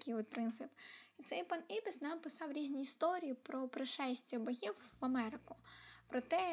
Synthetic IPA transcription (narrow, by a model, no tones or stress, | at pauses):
kʲijʋɔt̪̚pɾɪnt̪sɪpit̪sɛjpɑnibɪsnɑmpɪsɑwɾʲizʲnʲiːst̪ɔɾʲijipɾɔpɾɪʃɛsʲtʲibɐɦʲiwːɐmɛɾɪkʊpɾɔt̪ɛ